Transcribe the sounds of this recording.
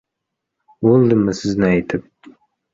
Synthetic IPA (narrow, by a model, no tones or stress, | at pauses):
wolˠd̪ɨmːɪsɪznɪajt̪ʰɪp̚